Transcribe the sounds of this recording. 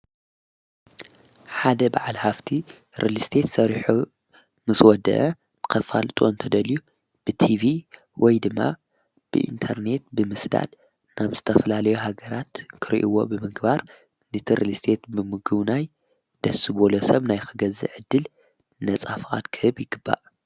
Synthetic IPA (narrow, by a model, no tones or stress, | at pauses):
ħad̪ɐbaʕalhaft̪ʰi | ɾʔɨlist̪ʰet̪sɐɾħu | nɨswɔd̪ɐ̰ʔɐ | ɨkʰɐfa̰lt̪ʼo̰ɨnt̪ʰɐd̪ɐlju | b̥ɨt̪ʰivi | wʔɔjd̪ɨmːa̰ | b̥ɨ̰ʔḭnt̪ʰɐɾne̞t̪̚bɨmɨsd̪a̰d̪ | naβzɨt̪ʰɐfɐlalɐjuɦaɡɐɾat̪kʰɨɾḭʔiwo̞̰bɨmɨɡbaɾ | nɨt̪ʰiɾʔɨlist̪ʰe̞t̪bɨmɨɡɨβnaj | d̪̥ɐsɨbolosɐβnajxɨɡɐzɨʕɨd̪ːɨl | nɐt͡sʼafχa̰t̪kʰɨhɨbjɪɡɨbːa̰ʔ